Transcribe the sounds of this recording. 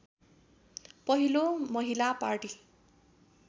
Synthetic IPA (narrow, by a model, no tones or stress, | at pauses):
pʌɦilomʌɦilaparʈi